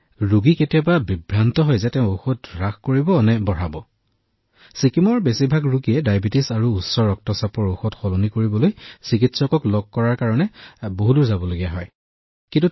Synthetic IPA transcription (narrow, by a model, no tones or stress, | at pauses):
ɹuɡiketijababibɹantɔɦɔjzɛtɛʊ̃oxɔt̚ɹaxkoɹibɔnɛbɔɹabɔ | sikimɔɹbesibʱaɡɹuɡiɛdajbitisaɹuːsːɔɹɔk̚tɔsapɔɹoxɔtxɔlɔnikoɹibɔlojsik̬itsɔkɔklɔɡ̚kɔɹaɹkaɹɔnɛboɦuduɹzabɔloɡijaɦɔj | kintu